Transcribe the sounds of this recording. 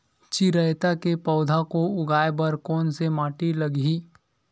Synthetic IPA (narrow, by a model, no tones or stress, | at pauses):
t͡ʃiɾəjt̪akepɔʊd̪ʱakoʊɡaːebɐɾkɔːnsemaːʈilɐɡi